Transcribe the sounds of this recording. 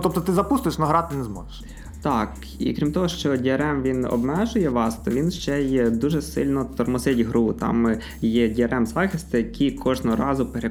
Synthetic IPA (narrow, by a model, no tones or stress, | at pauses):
t̪ɔp̚t̪ɔt̪ɪzɐpust̪ʊjeʃnɔɦɾɑt̪ɪnɛzmɔʒeʃ | t̪ɑk | ḭkɾʲimt̪ɔɦɔʃt͡ʃɔdʲiɐɾɛmʋʲinɔ̰bmɛʒʊjɛʋɑst̪ɔʋʲinʃt͡ʃɛjɛd̪uʒɛsɪ̰lʲnɔt̪ɔrmɔsɪtʲɦɾut̪ɑ̰m | jɛdʲiɐɾʔɛmzɑxʲisʲt̪ɪjɐkʰʲikʰɔʒnɔɦɔɾɑzʊpeɾe